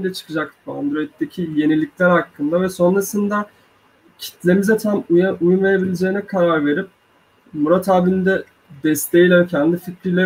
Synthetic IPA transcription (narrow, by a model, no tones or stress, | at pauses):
d̪ʲɛt͡ʃʰɯ̥kʰɯd͡ʒak̚t̪ɯba̰nd̪ɾo̞it̪̚dːecʰije̞nilʲːic̚ʲlʲæɾhakʰːɯnd̪avɛso̞nɾasɯnd̪a | cʰi̥t̪lʲe̞mizɛt̪ʰamujaujunve̞ɾe̞bilʲed͡ʒe̞ːinɛkʰaɾaɾve̞ɾip̚ | muɾat̪ʰaːbiind̪ɛ | d̪ɛst̪ʰejilʲæncʰænd̪ifit̪ɾijlʲɛ